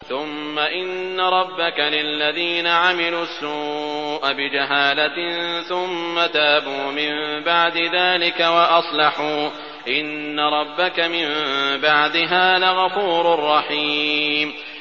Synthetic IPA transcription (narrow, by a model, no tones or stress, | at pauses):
θʊmːaʔɪnːaɾˤɑbːakalɪlːaðiːnaʕamɪluːsːuːʔabɪd͡ʒaɦaːlaθʊmːat̪aːbuːmɪmbaʕd̪ɪðaːlɪkawaʔɑsˤlɑħuː | ʔɪnːaɾˤɑbːakamɪmbaʕd̪ɪɦaːðaɣafuːɾʊrˤːɑħiːm